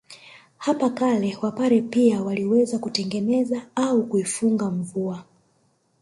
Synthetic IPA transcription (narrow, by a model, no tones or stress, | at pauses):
hapakalɛwapaɾɛpiawaliwɛzakutɛŋɡɛnɛzaaukuifuŋɡaɱ̩vua